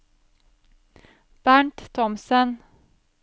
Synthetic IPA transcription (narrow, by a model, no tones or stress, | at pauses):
b̥æɳʈt̪ʰɔmsən